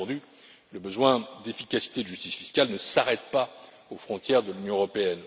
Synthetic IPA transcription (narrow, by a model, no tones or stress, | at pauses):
d̪y | ləbəzwɛ̃d̪efikʲasi̥t̪ed̪əʒyst̪isfiskʲalnəsaʁɛt̪pa | ofχɔ̃t̪jɛʁd̪əlynjɔ̃əʁɔpeɛn